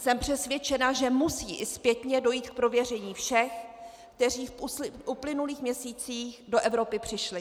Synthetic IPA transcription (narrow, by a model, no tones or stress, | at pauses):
sɛmpr̝̥ɛsvjɛt͡ʃɛnaʒɛmusiːʔɪspjɛt̪ɲɛdo̞jiːt̪k̚pɾo̞vjɛr̝ɛɲiːfʃɛx | kt̪ɛr̝iːfʔuplɪnuliːxmɲɛsiːt͡siːxdo̞ʔɛvɾo̞pɪpr̝̥ɪʃlɪ